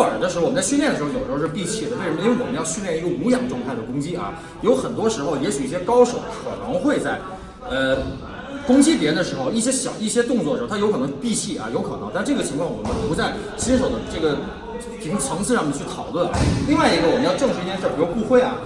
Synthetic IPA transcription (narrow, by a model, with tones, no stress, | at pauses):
ə̰˞˨˩d̪ə˧ʂ̩˧˥˧wnt͡sa˥˧ɕ̬ljɛ˥˩d̪ə˩ʂɻ̩˧˥˧jo˨˩ʂʂ̩˥˧pi˥˧t͡ɕʰi˥˩d̪ə˩we˥˩ɪʂm˧˥we˥˩wɔ˨˩mə˦˥jɑ˥˧ʊɕy˥˧ljɛ˥˩ni˧˥ɡə˧u˧˥jɑ˨˩ŋʈ͡ʂwŋt̪ʰa˥˩ɪd̪ə˩kʊ˥ŋt͡ɕi˥ʔɐ̰˧ | jo˧˥ʊxə˨˩nt̪wɔ˥ʂɻ̩˧˥xo˧ʊjɛ˧˥ɕy˨˦i˥˩ɕjɛ˥kɑ˥ʊʂo˨˧˥ʊkʰɤ̰˨˩nɤ˧˥ŋxwe˥˧ɪt͡sa˥˩ɪ | ə˧ | kʊ˥ŋt͡ɕi˥pjɛ˧˥nd̪ə˧˩ʂɻ̩˧˥xo˧ʊi˥˩ɕjɛ˥ɕjɑ̰˨˩ʊi˥˩ɕjɛ˥t̪ʊ˥˧ŋt͡swɔ˥˩ə˩˧˥jʊk̪ʰɤ˧˥ŋ˥˧˩pi˥˧t͡ɕʰi˥˩ʔɐ̰˩jo˧˥kʰɤ˨˩nɤ˧˥ŋt̪a˥˧˥ʈ͡ʂɤ˥˩ɡə˩t͡ɕʰi˧˥ŋʰkʰwɑ˥˩ŋwɔ̰˨˩mə˧˦˩pu˧˥t͡sa˥˩ɪ | ɕi˥nʂo˨˩ʊd̪ə˦ʈ͡ʂɤ˥˩ɡə˩ | t̪ʰi˧˥˩kʊ˥˩ŋt͡sʰɑ˧˥ŋsʰɹ̩˥˧ʂɑ˥˧mɛ˥˧nt͡ɕʰy˥˩t̪ʰɑ˨˩ʊlwə˥˩nʔli˥˧ŋwa˥˩ɪi˧˥ɡə˧wɔ˨˩mə˦njɑ˥˧ʊʈ͡ʂɤ˥˧ŋʂɻ̩˧˥˩jɛ˥˧ʂpi˧˩˥o˥˧ʊku˥˧xwe˥˩ɪɐ̰˨˩